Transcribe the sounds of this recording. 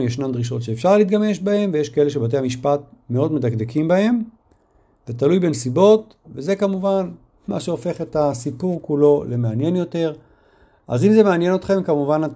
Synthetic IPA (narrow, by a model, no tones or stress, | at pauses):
jeʃnamd̪ʁiʃ̬o̞tʃe̞ːfʃaʁliːt̪̚ɡame̞ʃbahe̞mvejeʃkaele̞ʃ̬ebat̬e̞hamiʃpat̪̚ | meo̞d̪medakd̪ekimbahe̞m | vetalujbe̞nsibo̞t | veze̞kamuvan | ma̰ʃeo̞fe̞χe̞tasipuʁkulo̞lemeanje̞njo̞te̞ʁ | ʔa̰zimzemeanje̞no̞t̪χe̞mkamuvanat